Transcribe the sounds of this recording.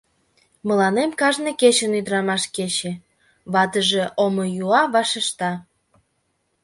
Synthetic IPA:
mə̆lɑnemkɑʒneket͡ɕənyd̪ɾɑmɑʃket͡ɕe | βɑt̪əʒeʔomojuɑβɑʃəʃt̪ɑ

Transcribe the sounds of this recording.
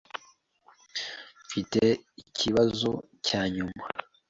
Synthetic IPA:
fite̞icʰiβazo̞ | caːɲuma

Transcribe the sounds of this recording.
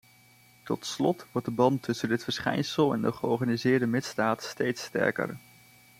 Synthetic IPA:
tɔtslɔtʋɔɹt̚dəbɑntːɵsəndɪtfəɹsχɛ̰jnsəlˠɛ̰ndəχəɔɹχaːnizɪːɹdəmɪtzdaːtstejtstɛ̰ɹkə̰ɹ

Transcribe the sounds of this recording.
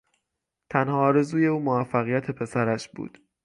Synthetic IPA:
t̪ʰænhɒːɾe̞zuːje̞uːmovæfːæɣijæt̪ʰe̞pʰe̞sæɾæʃbṵːd̪̥

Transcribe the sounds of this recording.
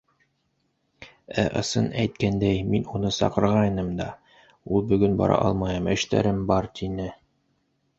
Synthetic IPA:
æ̰ʔɤ̰̆sɤnæjt̪̚kænd̪æjminunɤsɑ̰qɤ̆ɾʁɑjnɤmd̪ɑ | ulˠbɵ̆ɡɵnbɑ̰ɾʔɑ̰ʔɑ̰lˠmɑjɤmɘ̆ʃt̪æ̰ɾɘmbɑɾt̪inɘ

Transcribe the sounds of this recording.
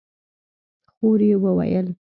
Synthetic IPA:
xoɾjewəwa̰jəl

